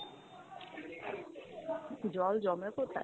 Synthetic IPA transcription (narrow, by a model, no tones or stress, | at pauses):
d͡ʑɔld͡ʑɔmekot̪a̰